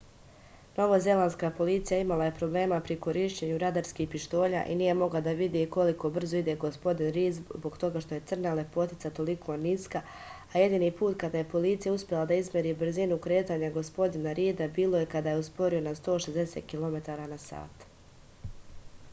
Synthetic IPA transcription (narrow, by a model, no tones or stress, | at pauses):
no̞ʋaze̞lanskaːpo̞lit̪sijaimalˠaje̞pɾo̞blˠe̞ːmapɾikoɾiːʃt͡ɕe̞ɲuɾad̪aɾskiːhpiʃt̪o̞ːʎa̰ʔiniːje̞mo̞ɡlˠad̪aʋid̪iko̞liko̞br̩zo̞id̪e̞ɡo̞spo̞d̪inɾiːzbo̞kt̪o̞ɡaʃt̪o̞je̞t̪sɨr̩nale̞po̞t̪it̪sat̪o̞likʰo̞niska | aje̞d̪iːnipuːt̪kad̪aje̞po̞liːt̪sijauspʲjelˠad̪aizmʲjeɾiːbr̩zinukɾe̞ːt̪aːɲaɡo̞spo̞d̪inaɾiːd̪abiːlˠo̞je̞kad̪aːjeuspo̞ɾio̞nast̪o̞ːʃe̞zd̪e̞sḛːt̪̚kilˠo̞me̞t̪aːɾanasa̰ːt̪